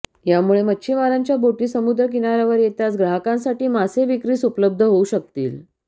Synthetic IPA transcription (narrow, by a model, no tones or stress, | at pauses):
jamuɭeməːɕʰimaɾaɲt͡ɕjaboʈiːsəmud̪ɾək̬inaɾaʋəɾjet̪jasɡɾaɦakãnsaʈiːmaseʋikɾiːsupləb̚d̪ʱəɦouɕək̚t̪iːl